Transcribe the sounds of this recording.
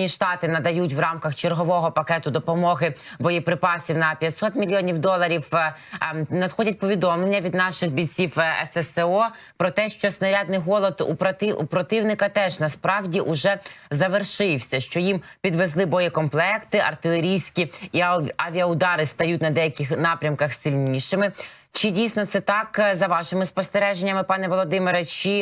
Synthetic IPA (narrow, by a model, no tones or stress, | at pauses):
nʲiʃt̪ɑt̪ɪnɐd̪ɐjutʲʋrɑmkɐxt͡ʃerɦɔʋɔɦɔpɐkɛt̪ʊd̪ɔpɔmɔɦɪ | bɔjɛpɾɪpɑsʲiwnɐpʲjɐt̪ʲsɔt̪mʲilʲjɔnʲiwd̪ɔlˠɐɾʲiw | nɐd̪xɔdʲɐt̚ʲpɔʋʲid̪ɔmlˠenʲːɐʋʲid̪nɑʃɪxbʲijt͡sʲiwɛ̰sɛsɛɔ | pɾɔt̪ɛʃt͡ʃɔsnɐɾʲɑd̪nɪjɦɔlˠɔd̪ṵpɾɐt̪ɪṵpɾɔt̪ɪwnɪkɐt̪ɛʒnɐspɾɑwdʲiʔʊʒɛzɐʋerʃɪwsʲɐʃt͡ʃɔjimpʲid̪ʋezlˠɪbɔjɛkɔmplˠɛkt̪ɪʔɐ̰rt̪ɪlˠeɾʲijsʲkʲiiɐʋʲiɐʊd̪ɑɾɪst̪ɐjutʲnɐd̪ɛjɐkʲɪxnɑpɾʲɐmkɐxsɪlʲnʲiʃɪmɪ | t͡ʃɪdʲijsʲnɔt̪sɛt̪ɑkzɐʋɑʃɪmɪspɔst̪eɾɛʒenʲːɐmɪpɑnɛʋɔlˠɔd̪ɪmɪɾɐt͡ʃi